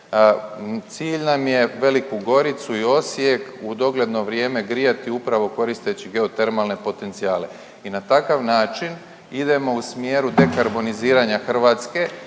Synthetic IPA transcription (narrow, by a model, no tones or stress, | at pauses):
t̪siːʎnamje̞ʋe̞likuɡo̞ɾit̪suio̞sje̞kud̪o̞ɡle̞d̪no̞ʋɾjeːme̞ɡɾijat̪iupɾaʋo̞ko̞ɾist̪e̞t͡ɕiɡe̞ot̪e̞ɾmalne̞po̞t̪e̞nt̪sijaːle̞ | inat̪akaʋnaːt͡ʃin | id̪e̞mo̞usmje̞ːɾud̪e̞kaɾbo̞niziːɾaɲaxr̩ʋaːt̪ske̞